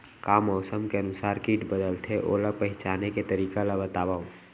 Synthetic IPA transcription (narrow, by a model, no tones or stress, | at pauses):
kaːmɔːsəmkeənʊsaːɾkiːʈbəd̪əlt̪ʰeʔo̰lapəɦɪt͡ʃaːneket̪əɾiːkalabət̪aːbao